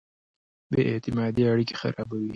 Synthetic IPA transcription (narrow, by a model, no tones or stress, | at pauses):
d̪əʔɪt̪ɪmɑd̪iaɽike̥xa̰ɾɑbawi